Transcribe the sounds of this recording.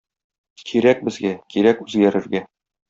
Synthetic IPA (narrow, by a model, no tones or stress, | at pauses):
kʰiɾæk̚bɘ̆zɡækiɾækʉzɡæɾɘ̆ɾɡæ